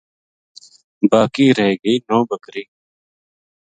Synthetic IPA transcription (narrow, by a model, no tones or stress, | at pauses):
baːkiːɾəɦeːɡəiːnõːbəkɾiː